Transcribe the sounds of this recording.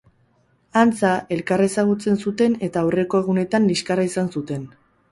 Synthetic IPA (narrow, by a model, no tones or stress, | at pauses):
ant͡sae̞lkare̞saɣ̞ut͡se̞nsut̪e̞ne̞t̪aure̞ko̞e̞ɣ̞une̞t̪anliskaraisansut̪e̞n